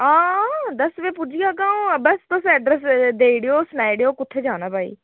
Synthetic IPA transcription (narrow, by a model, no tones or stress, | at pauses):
ãːd̪ɐsʋẽːpʊd͡ʒijaːkaːũbəst̪osɛɖɾɛs̬d̪eːiɽejoːsnaːiɽejoːkʊt̪ʰːed͡ʒãːnaːbʱaːḭː